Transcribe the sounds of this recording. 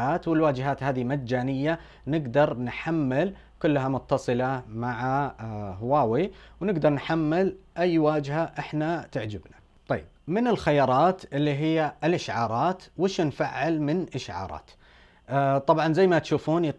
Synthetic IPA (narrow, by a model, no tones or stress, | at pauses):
aːt̪wɪlwaːd͡ʒɦaːt̪haːðimad͡ʒːaːnɪjːa | nɪɡd̪ɑɾˤnħamːɪl | kʊlːɦamʊt̪ːɑsˤɨlamaʕaɦwaːwiwnɪɡd̪ɑɾˤnħamːɪlʔajːwaːd͡ʒɦaʔɪħnat̪ɪʕd͡ʒɪbna | t̪ˤɑjːɪb̥̚mɪnɪlxajɑːɾˤɑːt̪ʔɪlːiɦɪjːaɪlʔɪʃʕɑːɾˤɑːt̪wɪʃnfaʕːɪlmɪnʔɪʃʕɑ̰ːɾˤɑ̰ːt̪ | t̪ˤːɑbʕɑnzajːmat̪ʃuːfuːnit̪